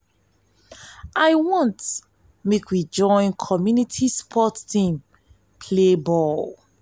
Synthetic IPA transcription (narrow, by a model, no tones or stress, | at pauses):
ʔaɪwɔ̃nt | mekʰwid͡ʒɔ̃ɪ̃nkʰɔmjunitʰispʰɔtːĩm | pʰlebɔl